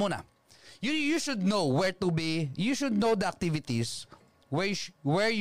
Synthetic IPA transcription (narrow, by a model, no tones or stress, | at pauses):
muna̰ | jjuʃʊd̪nowwɛɹt̪ubijuʃʊd̪̚nowd̪ɐɐk̚t̪ivɪt̪is | wɛwɛɹj